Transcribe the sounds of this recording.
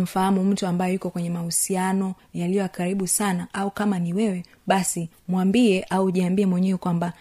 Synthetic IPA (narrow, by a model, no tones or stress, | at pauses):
m̩fahamum̩tuambajɔjukɔkwɛɲɛmahusianɔ | jalijɔakaɾiɓusanaʔaukamaniwɛwɛ | ɓasi | mwambiɛʔauʄiambiɛmwɛɲɛwɛkwamba